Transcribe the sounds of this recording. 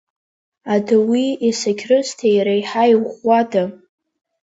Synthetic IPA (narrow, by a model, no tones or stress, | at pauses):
adawiesakʲʰrɨztʰejɾajħajχʷːada